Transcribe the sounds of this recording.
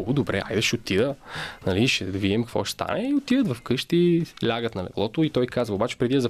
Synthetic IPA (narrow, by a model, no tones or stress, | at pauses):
ɡʊd̪obɾɛ̰a̰jd̪ɐʃɛot̪idənɐliʃɛd̪viɛmkɐkvɔ̰ʃst̪a̰nɛiot̪id̪ət̪vɐfkɤʃt̪ilʲaɡət̪nɐlɛ̰vlˠɔt̪ʊit̪ɔjkazvəobat͡ʃɛ̥pɾɛd̪iɛzɐ